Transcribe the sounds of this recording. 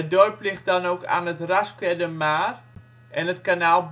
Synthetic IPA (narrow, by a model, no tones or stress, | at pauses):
ədojplɪχt̚dɑnowka̰ːnətraskɛdəmaːr | ɛnətkanaːlˠb